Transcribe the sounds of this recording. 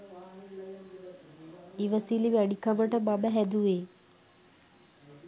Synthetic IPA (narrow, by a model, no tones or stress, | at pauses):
iʋəsiliʋæɖikəməʈəmabəɦæd̪uʋeː